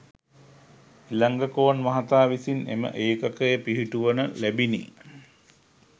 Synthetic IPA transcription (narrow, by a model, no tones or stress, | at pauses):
ilaŋɡəkoːʋnʋɐɦat̪aːʋisinḛmə̰ʔeːkakəjepiɦiʈuʋənəlæbinḭ